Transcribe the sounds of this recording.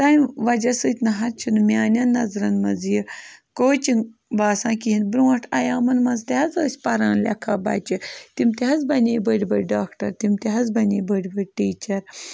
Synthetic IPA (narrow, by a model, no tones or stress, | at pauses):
t̪ajnʋɐd͡ʒɐsɨːt̪ʲnɐɦɐɾt͡ʃʰunɨmjaːnʲɐnːɐzɾɐnmɐzjikoːt͡ʃinbaːsãːkiɦinbɾuwɐʈʰɐjaːmɐnmɐzt̪ehɐzɐːsʲpɐɾãːnlʲɐ̰kʰaːba̰ːt͡ʃit̪imt̪iɦɐzbɐnʲeːjbəɽʲbɐɽʲɖaːkʈɐɾt̪imt̪eɦɐzbɐnʲeːjbəɽʲbəɽʲʈiːt͡ʃɐɾ